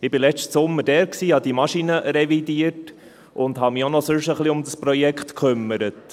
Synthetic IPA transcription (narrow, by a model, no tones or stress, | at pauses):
ɪbɪlɛt͡ʃtsʊmːədɛːɾksiːhɑd̥imɑʃinəɾɛvidiət | ʔʊndhɑmɪonɔsøʃəχliʊmdəspɾɔjɛkχtkχʏmːəɾət